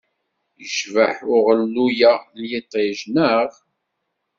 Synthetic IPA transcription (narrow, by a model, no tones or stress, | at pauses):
jəʃvəħʊʁəlːujæljit̪ˤːiʒnəʁ